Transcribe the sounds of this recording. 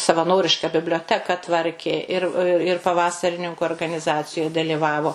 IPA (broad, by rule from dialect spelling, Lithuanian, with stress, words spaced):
sɐʋɐˈnoːrʲɪʃkɐ bʲɪbʲlʲoːˈtʲæːkɐ ˈtʋɐrʲkʲeː ˈɪr ɪr pɐˈʋɑːsɐrʲɪnʲɪŋkʊ oːrɡɐnʲɪˈzɑːt͡sʲɪjoːj dɐlʲɪˈʋɑːʋoː